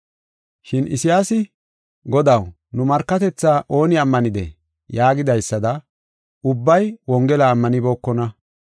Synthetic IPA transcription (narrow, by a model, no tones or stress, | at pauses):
ʃɪnɪ̰sɪjaːsɪ | ɡɔd̪ɐw | nʊmɐɾkːɐt̪ɛt͡sːaːʔo̞ːnɪɐmːɐnɪd̪ɛ̰ | jaːɡɪd̪ɐjsːɐd̪ɐ | ʊbːɐjwɔŋɡɛlɐːmːɐnɪbo̞ːkːɔnɐ